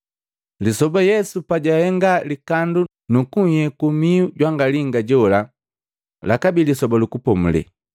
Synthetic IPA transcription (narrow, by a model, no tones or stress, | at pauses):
lisɔbajɛsupaɟahɛŋɡalikandu | nukuhɛkumiuɟwaŋɡaliŋɡaɟɔla | lakabilisɔbalukupɔmulɛ̰